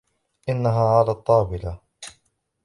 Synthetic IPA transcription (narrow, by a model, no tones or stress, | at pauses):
ʔɪnːaɦaːʕalaːt̪ˤːɑːbɪla